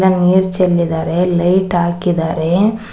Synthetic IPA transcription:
lɐniːɾt͡ʃɛlːɪðaɾelɐɪʈaːkːɪðaːɾe

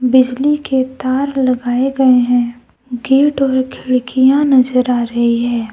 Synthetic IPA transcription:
bɪd͡ʒliket̪aːɾlɐɡaːeɡɐeɦɛ̃ | ɡeːʈɔːɾkʰɪɭkijãnɐzəɾaːɾɐɦiɦɛː

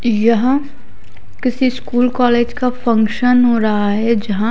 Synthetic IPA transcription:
jɐɦã | kɪsiskuːlkɔːleːd͡ʒkafʰɐ̃ŋkʃənɦoːɾaɦaɦɛd͡ʒɐɦã

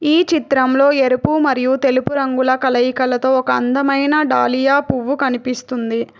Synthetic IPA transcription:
iːt͡ʃit̪ɾɐmlo̞ːe̞ɾupumɐɾijut̪elupuɾɐŋɡulɐkɐlɐjikɐlɐt̪o̞ːɔkɐːnd̪ɐmɐjnɐɖaːlijaːpuʋːukɐnipist̪und̪i

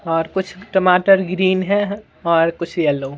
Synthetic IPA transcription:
ɔːɾkʊt͡ʃʰʈəmaːʈəɾɡɾiːnɦɛ̃ | ɔːɾkʊt͡ʃʰɛlo

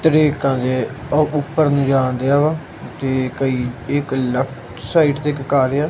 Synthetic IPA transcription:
t̪əɾiːkãːd͡ʒ̪eːʊpːəɾnũːd͡ʒaːnd̪eaːʋaː | t̪eːkəiːɪkləpʰʈ | saːiːʈt̪eːkkaːɾeaː

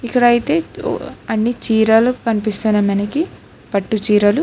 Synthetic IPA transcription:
ikːɐɽɐjit̪e̞̰ːɐnːit͡ʃiːɾɐlukɐnipist̪unɐmɐnɐki | pɐʈːut͡ʃiːɾɐlu

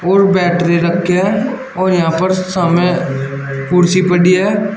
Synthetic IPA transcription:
ɔːɾbɛːʈɾiɾɐkʰeɦɛ | ɔːɾjɐɦãpəɾsamẽ | puːɾsipəɽiɦɛː

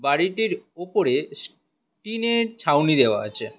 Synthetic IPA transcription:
baɽiʈiɾopoɾes | ʈinet͡ɕʰawnid̪eoa̰o̰t͡ɕʰe

